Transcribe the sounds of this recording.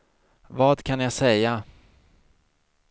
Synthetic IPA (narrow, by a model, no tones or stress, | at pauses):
vɑːd̪kʰanjasɛjːa